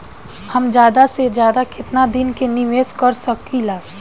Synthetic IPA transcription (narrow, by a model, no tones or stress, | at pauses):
həmd͡ʒjaːd̪ased͡ʒjaːd̪akɪt̪nad̪ɪnkenɪʋeːskəɾsəkilaː